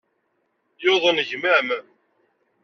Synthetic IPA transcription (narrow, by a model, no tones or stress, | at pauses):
joðˤənʝmæm